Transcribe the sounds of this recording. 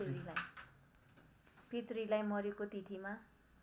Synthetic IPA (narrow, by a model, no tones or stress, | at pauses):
eɾilaj | pit̪rilajmʌɾekot̪it̪ʰima